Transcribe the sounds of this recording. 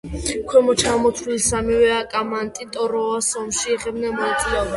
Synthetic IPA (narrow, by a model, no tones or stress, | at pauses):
kʰwɛmɔt͡ʃʰamɔt̪ʰilsamivɛakʼamant̪ʼit̪ʼɔɾɔasɔmʃiɛχɛbnamɔila